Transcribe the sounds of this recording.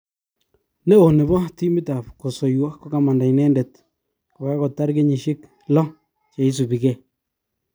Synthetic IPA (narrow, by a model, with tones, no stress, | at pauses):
ne˦o˨ne˨bɔ˦ti˦mɪ˦ta˨pko˨so˨jwɔ˦kːo˦ka˨ma˨nda˨inɛ˦ndɛ˨t | ko˨ka˦ko˨tːa˦ɾke˦ɲi˨ʃɪ˦k | lɔ˦ | t͡ʃa˨i˦s̬u˨bi˨kɛ˦˨